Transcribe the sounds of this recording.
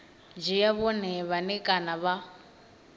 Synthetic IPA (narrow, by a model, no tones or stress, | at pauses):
d͡ʒijaβɔnɛβanɛkʼanaβa